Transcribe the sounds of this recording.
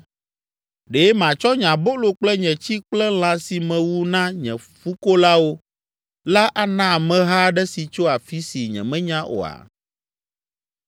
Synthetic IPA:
ɖe˨˦e˦mã˨t͡ʃɔ˦ɲã˨bo˦lo˨k͡plɛ˦ɲɛ̃˨t͡ɕi˦k͡plɛ˦l̃ã˨si˨mɛ̃˨wu˦nã˦ɲɛ̰̃˨fu˦ko˦la˦wo˦ | la˦ʔa˦nã˦˨mɛ̃˦ɦa˦ɖɛ˦si˨t͡ʃo˦a˨fi˦si˨ɲɛ̰̃˨mɛ̃˦ɲã˦ʔo̰˨a̰˨

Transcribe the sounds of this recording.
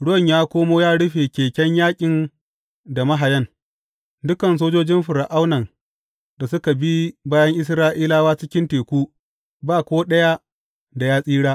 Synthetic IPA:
ɽʊ˦wɐ˦˨ɲjaː˦kʷoː˦moː˦jaː˦ɽʊ˦ɸeː˨kʲeː˨kʲɛ˦ɲjaː˦kʲʼɪ˨n | da˨mɐ˦ɦa˨jɐ˦n | dʊ˦kɐ˨ns̬oː˦d͡ʒoː˦d͡ʒɪ˦mɸʊ˨ɾa˨ʔa˦wnɐ˨n | da˨sʊ˦ka˨bi˦baː˦jɐ˦ŋʔɪ˦s̬ɾaː˦ʔiː˦laː˦waː˦t͡ʃɪ˦kʲɪ˦nteː˨kʷuː˦ | baː˦˨kʷoː˦ɗɐ˦ja˦ | da˨jaː˦sʼiː˦ɽaː˦ʔ

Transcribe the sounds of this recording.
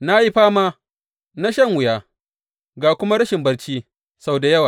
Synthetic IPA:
na˦ji˦ɸaː˦maː˦ | na˦ʃɐ˦˨ŋwʊ˨jaː˦ | ɡaː˨kʷʊ˦ma˦ɽɐ˦ʃɪ˨mbɐ˦ɽt͡ʃiː˦ | sa˨wda˨jɐ˦waː˨

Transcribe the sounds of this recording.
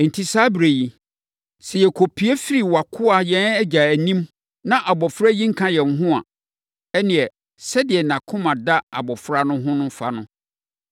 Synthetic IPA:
n̩˨tʰi˨saː˦bɾe˨ji˨ | sɛ˨jɛ˨kʰo˨pʰi˦ɛ˦fi˦ɾi˨wa˨kʰʊ˦a˨jɛ̃˦nɛ˦d͡ʑa˨æ˨nĩ˦m | nã˦ʔa˨bɔ˨fɾa˦jĩ˦ŋ̩˦kʰã˦jɛ̃˨ŋ˨ɦʊ̃˦a̰˨ | ɛ˦nɪ̃˨ɛ˨ | sɛ˦dɪ˨ɛ˨nã˨kʰʊ̃˦mã˨da˦a̰˨bɔ˨fɾa˦nʊ̃˦ɦʊ̃˦nʊ̃˦fa˦nʊ̃˦

